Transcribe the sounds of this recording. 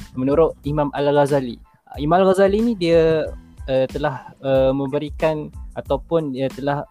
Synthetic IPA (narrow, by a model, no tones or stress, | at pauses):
mənuɾʊʔimãmʔa̰lɣazalḭ | imãmalɣazalinidia | ət̪əlahəmə̃mbəɾikanat̪awpʊndiət̪əlah